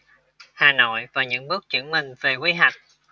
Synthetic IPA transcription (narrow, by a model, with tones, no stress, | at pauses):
haː˨˩no̰˧˨jvaː˨˩ɲɨ̰˧˥ŋɓɨ˦˥ək̚t͡ɕɨ̰˧˥əŋmï˨˩ŋ̟ve˨˩kwi˨˦ɦa˨˩jk̟̚